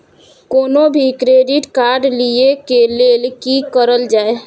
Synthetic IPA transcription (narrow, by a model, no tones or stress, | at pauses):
koːnobʱikɾeɖiʈkaɾɖliekelelkikəɾəld͡ʒaːe